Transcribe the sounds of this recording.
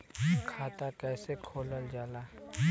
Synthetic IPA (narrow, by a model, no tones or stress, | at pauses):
kʰaːt̪akɛːsekʰoːləld͡ʒaːlaː